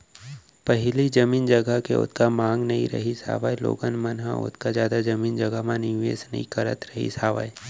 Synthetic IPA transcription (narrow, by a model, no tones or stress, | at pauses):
pɐɦɪlid͡ʒɐmiːnd͡ʒɐɡəkḛʊ̰t̪ʰkamãːŋɡnɐɦḭ̃ɾɐ̰ɦisa̰ːʋajlo̰ːɡənmənɦã̰ʊ̰t̪kazjaːd̪ad͡ʒɐmiːnd͡ʒɐɡəɦmãniḛːsnə̰ɦḭ̃kəɾə̰t̪ɾəɦḭsaːʋa̰j